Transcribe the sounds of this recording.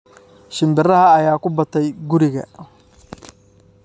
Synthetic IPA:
ʃɪmbɪrɐɦɐːjaːkʰʊbɐt̪ʰɛjɡʊɾɪɣɐ̰

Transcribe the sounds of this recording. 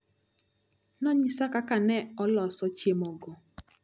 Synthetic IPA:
nɔɲisakakanɛɔlɔsɔt͡ʃjemɔɡɔ

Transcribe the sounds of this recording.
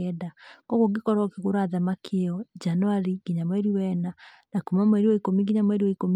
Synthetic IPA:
ɛdakɔɣoɡikɔɾɔkeɣoɾaðamakʰieɔd͡ʒanoaɾiɡ̥iɲamwɛɾiwɛna | nakumamwɛɾiwɔikomiɡiɲamwɛɾiwɔikom

